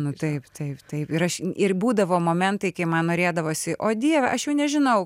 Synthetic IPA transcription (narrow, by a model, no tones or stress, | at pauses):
nʊt̪ɐɪpt̪ɐɪpt̪ɐɪpɪɾɐʃɪrbuːd̪ɐʋoːmoːmʲɛnt̪ɐɪkɐɪmɐnnoːɾʲeːd̪ɐʋoːsʲɪʔoːd̪ʲiɛʋʲɛʔɐʃjɛʊnʲɛʒʲɪnɐʊ